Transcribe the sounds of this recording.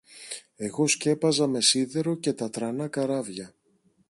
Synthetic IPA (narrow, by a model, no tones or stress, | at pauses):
e̞ɣo̞sce̞pɐzɐme̞siðe̞ɾo̞ce̞t̪ɐt̪ɾɐnɐkɐɾɐvʝɐ